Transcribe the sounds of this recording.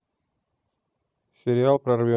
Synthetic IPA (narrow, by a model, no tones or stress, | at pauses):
sʲɪɾʲɪalˠpɾɐrvʲo